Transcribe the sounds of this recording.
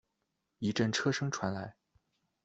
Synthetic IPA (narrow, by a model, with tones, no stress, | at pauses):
i˧˥ʈ͡ʂə˥˩nʈ͡ʂʰɤ˥ʂɤ˥ŋʈ͡ʂʰwa˧˥nla˧˥ɪ